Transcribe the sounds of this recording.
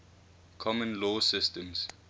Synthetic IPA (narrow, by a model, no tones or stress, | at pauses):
kʰɔmə̃nlɔsɪstə̃ms